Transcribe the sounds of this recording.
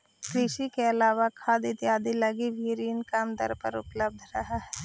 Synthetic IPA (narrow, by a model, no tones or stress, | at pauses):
kɾɪʃikeɐlaːʋakʰaːd̪ɪt̪jaːd̪ilɐɡiʋʱiɾiːnkaːmd̪ə̰ɾpə̰ɾʊ̰pləb̚d̪ʱɾɐɦaɦɛː